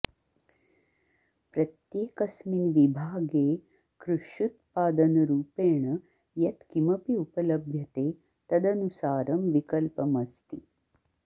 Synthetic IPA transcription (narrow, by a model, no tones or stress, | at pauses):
pɾɐt̪jeːkɐsminʋibʱaːɡeː | kɾuʂut̪̚paːd̪ɐnɐɾuːpeːɳɐ | jɐt̪kimɐpiupɐlɐbʱjɐt̪eː | t̪ɐd̪ɐnusaːɾɐmʋikɐlpɐmɐst̪i